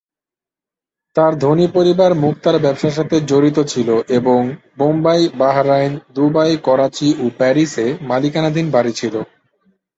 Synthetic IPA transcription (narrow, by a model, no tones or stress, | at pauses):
t̪aɾd̪ʱonipoɾibaɾmuk̚t̪aɾbɛbʃaʃ̬at̪ʰed͡ʑoɾit̪ot͡ɕʰiloʔeboŋ | bombajbaɦɾajnd̪ubajkɔɾat͡ɕiopɛɾisemalikanad̪ʱinbaɾit͡ɕʰilo